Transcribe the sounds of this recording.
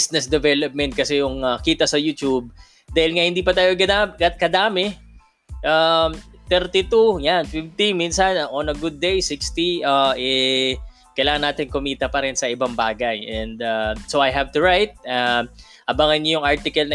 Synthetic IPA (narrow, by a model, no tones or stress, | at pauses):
snɛsd̪ɛvɛlɐp̚mɛnt̪̚kɐsɛjʊŋɐkiːt̪ɐsɐjut̪ub̚ | d̪aːhɪlŋahɪnd̪iːpɐt̪aːjoɡɐd̪aɡɐt̪̚kɐd̪aːmɛ | ʔamt̪ɛɾt̪it̪ujanfɪft̪iminsɐnʔonɐɡʊd̪̚ːejsikst̪iaʔɛ | kɐjlaːŋɐnːaːt̪ɪnkʊmiːt̪ɐpɐɾɛnsɐɪbɐŋbaːɡɐjʔɛnd̪asowajɦɐvt̪ʊɹajt̪̚a | ʔɐbaŋɐnːjʊŋʔaɹt̪ɪkɐlnɐ